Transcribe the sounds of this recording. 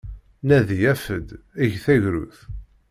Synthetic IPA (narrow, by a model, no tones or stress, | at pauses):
næðijæfəd̪æʝθæʝɾṵθ